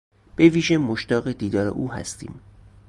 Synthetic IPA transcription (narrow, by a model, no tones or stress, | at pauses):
b̥e̞viːʒemoʃt̪ɒːɣed̪iːd̪ɒːɾḛʔuːhæ̰st̪ḭːm